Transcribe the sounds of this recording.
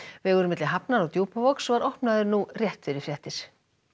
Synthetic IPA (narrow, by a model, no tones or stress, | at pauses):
vɪɣœɾʏmɪt̪lɪɦapnaɾɔɣt̪juːpavɔksvaɾɔhpnaðʏɾnurjɛht̪fɪɾɪɾ̥fjɛht̪ɪɾ̥